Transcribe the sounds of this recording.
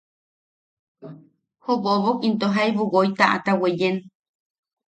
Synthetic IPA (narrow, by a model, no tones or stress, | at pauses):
hoβoβokint̪oɦajβuwojt̪aʔa̰t̪awejen